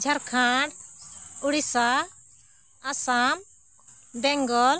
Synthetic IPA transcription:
d͡ʒʱaɾkʰãɖuɽisa | asam | bɛŋɡɔl

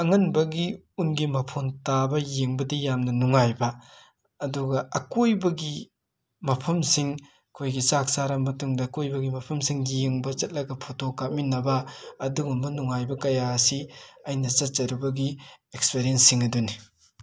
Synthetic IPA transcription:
ɐŋɐnbɐɡi | unɡimɐpʰontabɐjeŋbɐdijamnɐnuŋajbɐː | duɡɐɐkojbɐɡi | mɐpʰɐmsiŋ | kʰojɡit͡ʃak̚saɾɐmːɐtuŋdɐːkojbɐɡimɐpʰɐmsiŋijeŋbɐt͡ʃɐt̚lɐɡɐpʰotʰokap̚minɐbɐːduɡumbɐnuŋajbɐkɐjasiɐjnɐt͡ʃɐt̚t͡ʃɐɾubɐɡiekspeɾijɐnsːiŋɐduni

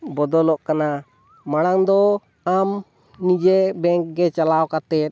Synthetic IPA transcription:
bɔd̪ɔlɔʔkana | maɽaŋd̪ɔ | am | nid͡ʒɛbɛŋk̚ɡɛt͡ʃalawkat̪ɛt̪̚

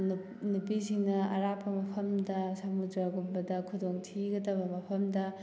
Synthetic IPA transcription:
nupisinɐɐ̰ɾapːɐmɐpʰɐmdɐsamudɾaɡumbɐdɐkʰudoŋtʰiɡɐdɐβɐmɐpʰɐmdɐ

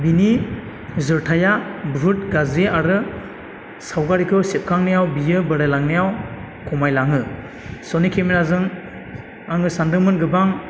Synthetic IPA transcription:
bini | zɯɾtʰajabɾut̚ɡaziaɾɯ | sawɡaɾikʰɯsep̚kʰaŋnijawbijɯbɯɾajlaŋnijaw | kʰɔmajlaŋɯ | sɔnikʰemiɾazɯŋ | aŋɯsandɯmɯnɡɯbaŋ

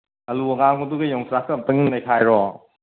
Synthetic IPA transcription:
ɐluɐŋaŋɡɐduɡɐjɔŋsʰɾakɐm̚tɯŋinlɐjkʰajɾɔ

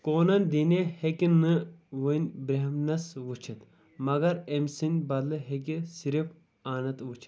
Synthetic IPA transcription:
koːnɐnʲd̪inehekʲinɨʋɨnʲbɾeɦmnɐsʋut͡ʃʰɐt̪ | mɐɡɐɾemsinʲbɐd̪lɨɦek̬isiɾif | aːnɐt̪ʋut͡ʃʰi̥t̪

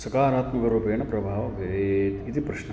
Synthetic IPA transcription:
sɐkaːɾaːt̪mɐkɐɾuːpeːɐɳɐpɾɐbʱaːʋɐʋeɾeːt̪id̪ipɾuʃnɐ

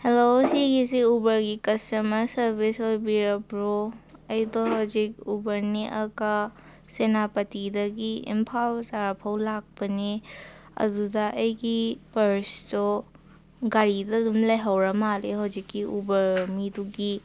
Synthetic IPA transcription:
helosiɡisiubɐɾɡikɐstɐmɐsɐɾbisojbiɾɐbɾɔɐjdɔɦawzik̚ubɐɾneʔɐka | senapɐtidɐɡiḭmpʰawsaɾapʰawlak̚pɐneɐ̰dudaʔɐjɡipɐɾstɔ | ɡaɾidadumlajɦawɾɐmaleɦawzikːiʔubɐɾmiduɡi

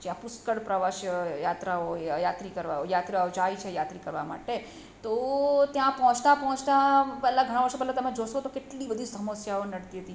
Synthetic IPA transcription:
d͡ʒãpʊskəɽpɾəʋaʃjəjat̪ɾaojat̪ɾikəɾʋajat̪ɾaod͡ʒait͡ʃʰejat̪ɾikəɾʋa̰ma̰ʈe | t̪ot̪jãpɔɦɔ̃t͡ʃt̪apɔɦɔ̃t͡ʃt̪apɛːlaɡʱəɽ̃ãʋəɾʃopɛɦlat̪əmẽd͡ʒosõt̪okeʈlibəd̪ʱisəməsjaonəɽt̪iɦət̪i

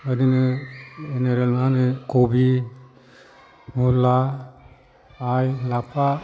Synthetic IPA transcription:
ədinɯeneɾelnanɯkʰobi | mula | jlapʰa

